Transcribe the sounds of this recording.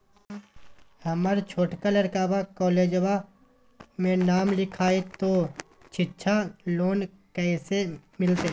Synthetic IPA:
həməɾt͡ʃʰoːʈkalɐɾkaːbakɔːleːd͡ʒəwa | mẽnaːmlɪkʰaːet̪o | t͡ʃʰɪtːʃʰaloːn | kɛsemɪlt̪e

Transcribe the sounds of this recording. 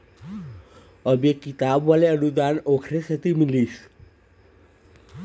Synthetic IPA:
əbekːit̪abʋaleəɽud̪anokʰɾesət̪imiliːs

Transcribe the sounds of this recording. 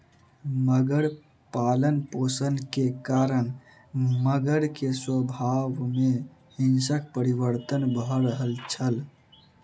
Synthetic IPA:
məɡəɽ | paːlənpoːsənkekaɾən | məɡəɽkeswəbʱaʋme | hinsək̚pəɾiʋəɾt̪ənbʱɾəɦəlt͡ʃʰəl

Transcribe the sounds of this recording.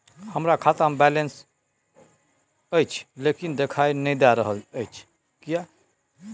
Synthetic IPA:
həmɾakʰat̪ambɛlens | əjt͡ʃʰlekind̪ekʰainəd̪aɾəɦələjt͡ʃʰ | kija

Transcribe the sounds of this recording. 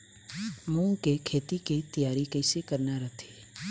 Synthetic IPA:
mũŋɡkekʰet̪iket̪ijaɾikəjsekəɾnaɾət̪ʰe̥

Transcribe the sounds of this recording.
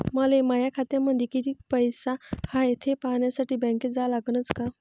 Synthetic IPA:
məlemajakʰat̪jamːəd̪ʱjekit̪iːpəjsahajet̪ʰepaɳjasaʈiːbɛ̃ŋked͡zalaɡnət͡ska

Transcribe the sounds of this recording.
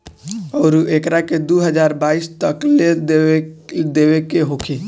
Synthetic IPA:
ɔːɾuʔekɾaked̪uɦəd͡ʒaːɾbaːiːst̪əkle | d̪eːwekeɦokʰi

